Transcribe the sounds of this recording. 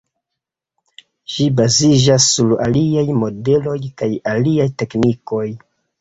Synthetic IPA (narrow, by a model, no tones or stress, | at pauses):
ʃibazid͡ʒasːula̰liajmo̞de̞lo̞jkajaliajte̞kniko̞j